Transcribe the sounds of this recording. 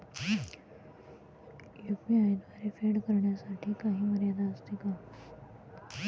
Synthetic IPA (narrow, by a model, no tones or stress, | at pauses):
jukmiaid̪ʋaɾefeɽkəɾɳjasaʈʰiːkaɦiːməɾjad̪aəst̪ika